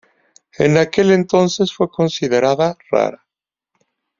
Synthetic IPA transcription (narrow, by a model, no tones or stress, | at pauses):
ḛnake̞le̞nt̪o̞nse̞sfwe̞ko̞nsiðe̞ɾaðara̰ɾa